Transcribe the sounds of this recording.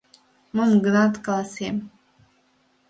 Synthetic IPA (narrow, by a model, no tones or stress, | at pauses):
mɨmɡnat̪kʼalasem